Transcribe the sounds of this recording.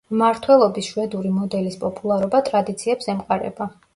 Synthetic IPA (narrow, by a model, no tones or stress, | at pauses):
maɾt̪ʰwɛlˠɔbisʃwɛd̪uɾimɔd̪ɛlispʼɔpʼulˠaɾɔbat̪ʼɾad̪it̪sʰiɛpsɛmqʼaɾɛ̰ba